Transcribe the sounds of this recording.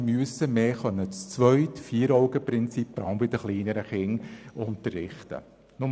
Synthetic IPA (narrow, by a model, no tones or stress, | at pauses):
myəsəmeːχœnːət͡st͡sʋœʏtfiːɾɔʊɡəpɾɪnt͡sip̚b̥ɾɑlmbɪd̥̪əχliːnəɾəχɪŋʊnt̪ərːɪχtə̰ | nʊm